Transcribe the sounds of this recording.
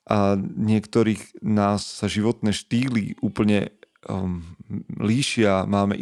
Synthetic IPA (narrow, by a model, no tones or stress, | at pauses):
ʔaɲɪɛkt̪ɔɾiːɣnaːsːaʒiʋɔt̪nɛːʃt̪iːlḭʔuːpl̩ɲɛ | liːʃɪamaːmɛ̰ʔ